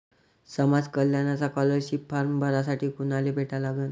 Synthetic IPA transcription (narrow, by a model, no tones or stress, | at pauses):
səmad͡zkəljanat͡sakɔləɾɕipfaɾmbʱəɾasaʈiːkunalebʱeʈalaɡən